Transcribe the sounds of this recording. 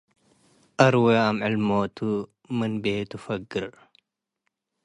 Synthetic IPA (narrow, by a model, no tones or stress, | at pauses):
ʔɐɾweɐmʕɪlmoːt̪u | mɨnbeːt̪ufɐɡːɪɾ